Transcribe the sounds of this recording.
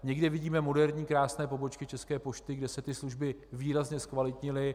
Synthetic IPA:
ɲɛɡdɪvɪɟiːmɛmo̞dɛɾɲiːkɾaːsnɛːpo̞bo̞t͡ʃkɪt͡ʃɛskɛːpo̞ʃt̪ɪɡdɛsɛt̪ɪsluʒbɪviːɾazɲɛskvalɪt̪ɲɪlɪ

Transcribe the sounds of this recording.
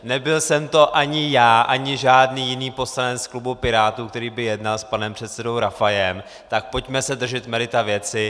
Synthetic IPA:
nɛbɪlsɛmt̪o̞ʔaɲɪjaːʔaɲɪʒaːdniːjɪniːpo̞st̪anɛnsklubupɪɾaːt̪uk̚t̪ɛɾiːbɪjɛdnalspanɛmpr̥ɛt̪sɛdo̞wɾafajɛm | t̪ak̚po̞cmɛsɛdr̩ʒɪt̪mɛlɪt̪avjɛt͡sɪ

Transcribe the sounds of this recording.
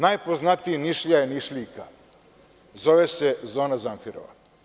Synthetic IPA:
najpo̞znat̪iiniʃʎajeniʃʎika̰ | zo̞ʋesezoːnazaɱfiɾo̰ʋa̰

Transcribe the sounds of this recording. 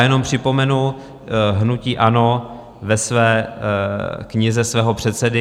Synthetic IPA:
jɛno̞mpr̝̥ɪpo̞mɛnu | ɦnuciːʔano̞ | vɛsvɛː | kɲɪzɛsvɛːɦopr̝̥ɛt̪sɛdɪ

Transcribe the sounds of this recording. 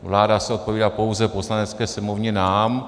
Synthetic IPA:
vlaːdasɛo̞t̪̚po̞viːdaːpo̞wzɛpo̞slanɛt͡skɛːsɛmovɲɛnaːm

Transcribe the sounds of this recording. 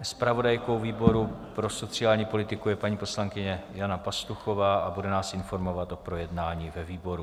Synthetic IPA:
spɾavo̞dajko̞wviːbo̞ɾupɾo̞so̞t͡sɪaːlɲiːpo̞lɪt̪ɪkujɛpaɲiːpo̞slaŋkɪɲɛjanapast̪uxo̞vaːʔabudɛnaːsʔɪnfo̞ɾmo̞vat̪ʔo̞pɾo̞jɛdnaːɲiːvɛviːbo̞ɾu

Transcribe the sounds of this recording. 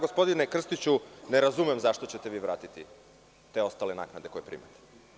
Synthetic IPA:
ɡo̞spo̞d̪inekr̩st̪it͡ɕuneɾazumemzaʃt̪o̞t͡ɕe̞t̪eʋiːʋɾa̰ːt̪it̪i | t̪e̞o̞st̪alena̰ːknad̪eko̞jepɾḭːmat̪e̥

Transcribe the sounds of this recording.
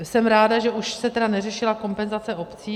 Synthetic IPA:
sɛmɾaːdaʒɛʔuʃsɛt̪ɛdanɛrɛʃɪlako̞mpɛnzat͡sɛo̞pt͡siː

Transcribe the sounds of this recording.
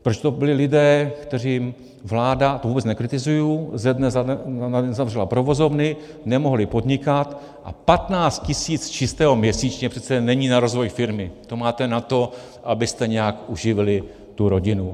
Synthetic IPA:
pɾot͡ʃt̪obɪlɪlɪdɛːkt̪ɛriːm | vlaːdat̪ovuːbɛt͡snɛkɾɪt̪ɪzujuːzɛdnɛzaɛzavrɛlapɾovo̞zo̞vnɪ | nɛmo̞ɦlɪpo̞d̪ɲɪkat̪ | ʔa̰pat̪naːt͡st̪̚cɪsiːt͡st͡ʃɪst̪ɛːɦo̞mɲɛsiːt͡ʃɲɛpr̥ɛt̪t͡sɛnɛɲiːnaɾo̞zvo̞jfɪɾmɪt̪o̞maːt̪ɛnat̪o̞ | ʔabɪst̪ɛɲɛjakʔuʒɪvɪlɪ | t̪uɾoɟɪnu

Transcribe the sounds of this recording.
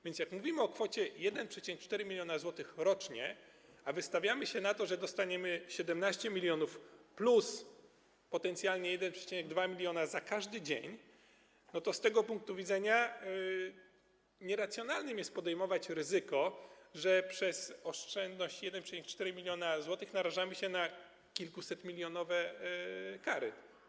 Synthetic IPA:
vʲjɛnt̪ʲjakmuvʲimɘɔkfɔt͡ɕɛjɛd̪ɛnpʂɛt͡ɕiɛɛk̚t͡ʂt̪ɛɾɘmʲilʲjɔnazwɔt̪ɘxɾɔt͡ʂɲɛ | avɘst̪avʲjamɘɕɛnat̪ɔʐɛd̪ɔst̪aɲɛmɘɕɛd̪ɛmnaɕt͡ɕɛmʲilʲjɔnufplus | pɔt̪ɛnt̪sʲjalɲɛjɛd̪ɛnpʂɛ̥t͡ɕinɛɡ̚d̪vamʲilʲjɔnazakaʐd̪ɘd͡ʑeɲ | nɔt̪ɔst̪ɛɡɔpuŋk̚t̪uvʲid̪zɛɲa | ɲɛɾat̪sʲjɔnalnɘmjɛst̪̚pɔd̪ɛjmɔvat͡ɕɾɘzɘkɔʐɛpʂɛz̥ɔʂt͡ʂɛnd̪nɔɕt͡ɕjɛd̪ɛnpʂɛt͡ɕinɛk̚t͡ʂt̪ɛɾɘmʲilʲjɔnazwɔt̪ɘxnaɾaʐamɘɕɛna | kʲilkusɛt̪mʲilʲjɔnɔvɛ | kaɾɘ̰t̪

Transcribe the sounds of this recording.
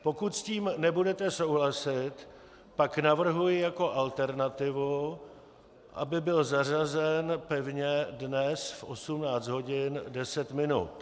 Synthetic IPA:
po̞kut̪sciːmnɛbudɛt̪ɛso̞wɦlasɪt̪ | paknavr̩ɦujɪjako̞ʔalt̪ɛɾnat̪ɪvu | ʔa̰bɪbɪlzar̝azɛnpɛvɲɛdnɛsfʔo̞sumnaːt͡sd̪ɦo̞ɟɪndɛsɛt̪mɪnṵt̪

